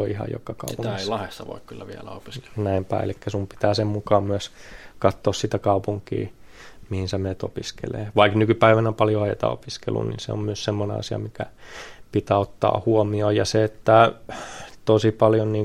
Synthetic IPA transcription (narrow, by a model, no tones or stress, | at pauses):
oihɑ̰jo̰kɑkɑ̰uput̪ŋeilɑhest̪ɑʋo̰ikkylːæʋiælæ̰opi̥ske̥lnæimpæ̰ːḛlikːæsumpi̥t̪æːsemmukɑːmmyøskɑt̪ːoːssit̪ækɑupuŋkḭː | mihinsemeːt̪o̰piskḛlḛːʋɑiknykypæiʋænæompɑljoɑet̪ɑ̰o̰piskḛlːṵnḭnsḛo̰mmyøssemːonḛɑ̰siɑ̰mikæpit̪æːot̪ːɑ̰ːhuomioːjɑseet̪ːæ | t̪osipɑljonniːŋ